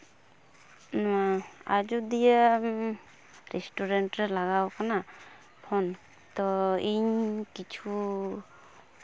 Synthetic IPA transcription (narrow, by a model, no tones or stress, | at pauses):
nɔwaad͡ʒud̪ija | ɾɛsʈuɾenʈɾɛlaɡawkana | pʰɔn | t̪ɔiɲkit͡ʃʰu